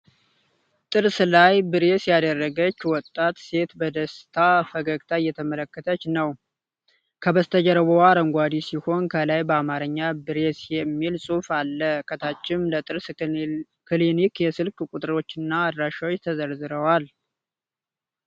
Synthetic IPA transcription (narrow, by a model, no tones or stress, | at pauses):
t̪ʼɨɾslajbɨɾesjad̪ərːəɡət͡ʃːwɔt̪ʼːat̪se̞t̪bəd̪əst̪ʰafəɡəɡt̪ʰajːɛt̪ʰəmələkːət̪ʰət͡ʃːnəw | kʰəbəst̪ʰəd͡ʒəɾəβowaɾəŋɡʷad̪isiho̞nkʰəlajbəamaɾəɲːabɨɾesjɛmːilsʼufalːəkʰət̪ʰat͡ʃːɪmlət̪ʼɨɾs | kʰlinikjɛsɨlkʼkʼut̪ʼɨɾo̞t͡ʃːɪnːaːd̪ɾaʃawot͡ʃːt̪ʰəzəɾzɨɾəwal